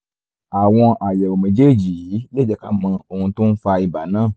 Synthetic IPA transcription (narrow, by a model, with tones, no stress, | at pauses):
a˨w̃ɔ̃˧ʔa˨jɛ˨ɾo˨mẽ˨˦d͡ʒe˦˨d͡ʒi˨˦le˦d͡ʒɛ˧ka˦mã˧o˧hũ˧tũ˦n̩˦fa˧i˨ba˨nãː˦˨